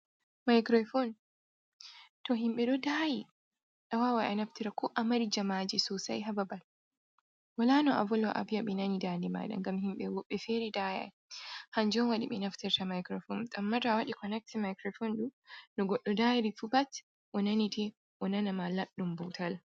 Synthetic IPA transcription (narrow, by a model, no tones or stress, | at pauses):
majkɾɔfɔn | tɔɦimɓɛɗɔdaji | ɗawawaʔanaftiɾakʰɔʔamaɾid͡ʒamaːd͡ʒɛsɔsa̰jɦababal | walanɔʔa̰vɔlɔʔa̰bijaɓinanidandima̰ːɗa̰ŋɡamhimɓɛwɔɓːɛfɛɾidaja̰ | hand͡ʒɔnwaɗḭɓinaftiɾtamajkɾɔfɔntʼamːadawaɗikɔnɛk̚timajkɾɔfɔnɗunɔɡɔɗːɔdajɾifubat | ʔɔnanitʰɛ | ʔɔnanamalaɗːumbɔtʰal